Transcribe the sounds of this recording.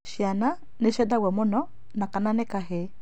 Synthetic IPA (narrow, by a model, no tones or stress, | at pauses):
ʃiana | neʃɛdawɛmonɔ | nakananekaɦe